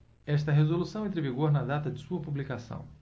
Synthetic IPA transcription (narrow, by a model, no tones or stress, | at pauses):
ɛʃt̪ɐɦezolusɐ̃w̃ẽnt̪ɾɪviɡoɾnɐd̪at̪ɐd͡ʒɪsuɐpublikasɐ̰̃w̃